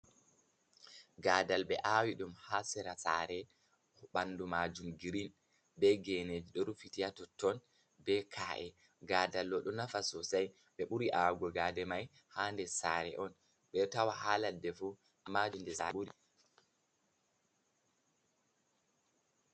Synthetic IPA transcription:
ɡaːdalɓɛʔawiɗumhasɛɾasaːɾɛ | ɓandumad͡ʒumɡiɾin | bɛɡened͡ʒiɗɔɾufitijatɔtːɔn | bɛkʰaːʔɛ | ɡaːdalːɔɗɔnafasɔsaj | ɓɛɓuɾiʔaɡɔɡaːdɛmaj | haːndɛsaːɾɛ̰ʔɔn | ɓɛtawahaːladːɛfu | mad͡ʒumdɛsa̰ɓuɾi

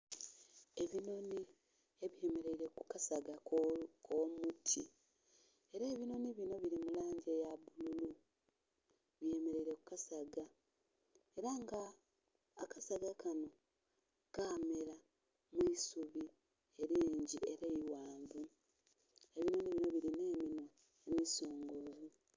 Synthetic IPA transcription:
e̞βino̞ni | e̞βje̞me̞ɾe̞iɾe̞kukasaɡakʰomutʰi | e̞ɾeːβino̞niβino̞βiɾimulaːɲɟejaβululu | βje̞me̞ɾe̞iɾe̞kukasaɡa | e̞ɾaŋɡaː | kasaɡakano̞ | kaːmeɾa | misuβi | eɾiːɲɟie̞ɾeiwaːmbu | e̞βino̞niβino̞βiɾineːminwo | emisoːŋɡovu

